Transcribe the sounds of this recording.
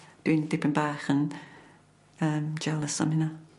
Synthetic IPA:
d̥wiːndɪpənbaːxən | əːmd͡ʒɛlˠəsə̰mɪna

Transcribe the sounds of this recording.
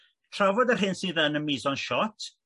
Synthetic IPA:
tʰrɔvɔdərɦɪnsiːðənənmiːzɔnʃɔtʰ

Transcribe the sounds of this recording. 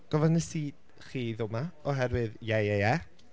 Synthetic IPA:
ɡ̥ɔvanəsiːd̥ | χiːðʊmaɔɦɛɾwɨðjajajɛ

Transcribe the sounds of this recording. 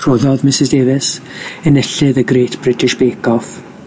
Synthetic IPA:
r̥ʊðɔðmɪsɪzdeːvɪs | ənɛɬɨðəɡɾeːtʰb̥rɪtʰɪʃb̥eːkʰɔf

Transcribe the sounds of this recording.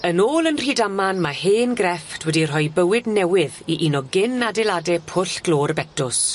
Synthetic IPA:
ənoːlˠənr̥idamanmaheːnɡrɛftʰwɛdir̥ɔjbəwɪdnɛwɪðiʔinɔɡɪnadɛlˠadɛpʰʊɬɡ̥loːɾəbɛtʊs

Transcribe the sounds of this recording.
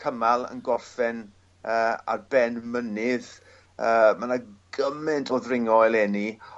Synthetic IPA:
kʰəmalˠə̰nɡɔrfɛn | əːa̰rbɛnmənɪð | əːmanaɡ̥əmɪntʰɔðrɪŋɔjlˠɛni

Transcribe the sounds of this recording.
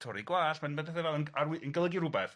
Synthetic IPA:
tʰɔɾiɡwaːɬmɛnbədɛθɛvɛlˠənarwiʔənɡəlˠəɡiɾʊbɛθ

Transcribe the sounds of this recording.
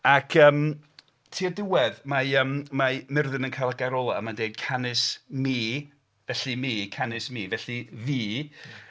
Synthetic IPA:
akʰəːm | tʰiːədɪwɛðmaəːmmamɪrðɨnənkʰajlˠaɡaɾɔlˠaəmandejd̥̚kʰanɪsmiː | vɛɬimiːkʰanɪsmiːvɛɬiviː

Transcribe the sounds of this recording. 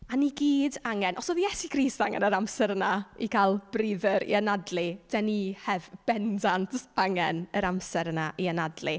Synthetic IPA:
aniɡiːdaŋɛnʔɔsɔðijɛsiɡʰɾiːstaŋɛ̰nəɾamsɛɾnaikʰalˠb̥riðəɾḭənadlˠid̥ɛnihɛvb̥ɛndantʰaŋɛnəɾamsɛɾənaʔiənadli

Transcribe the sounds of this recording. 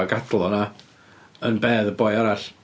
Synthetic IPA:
aɡadlˠɔna | ənbeːðəbɔjaɾaɬ

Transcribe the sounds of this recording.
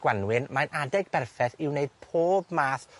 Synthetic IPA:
ɡ̥wanwɪnmajnʔadɛɡ̚bɛrfɛθɪwneɨd̥̚pʰoːbmaːθ

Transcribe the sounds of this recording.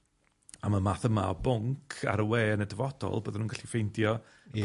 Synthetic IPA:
amamaːθəma̰ɔbʊŋkʰa̰ɾəweːənədəvɔd̥ɔ̰lˠbəːðənunɡaɬifejndjɔ

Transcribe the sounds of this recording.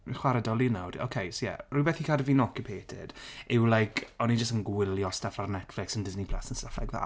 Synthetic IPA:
mχwaɾədɔlˠinawdo̰wkʰejsojɛ̰rujbɛːθikʰadviːnɔkɪpʰeːtʰɪ̰d̥ɪwlˠajkʰɔnid͡ʒəstənɡwɪlˠjɔstafarnɛtflɪksəndɪznipʰl̥a̰sənstafla̰ɡva̰

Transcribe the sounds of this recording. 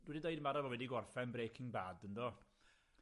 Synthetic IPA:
d̥wɛdidejdəmaɾavɔwɛdiɡɔrfɛnbreːkʰɪŋbadəndɔ

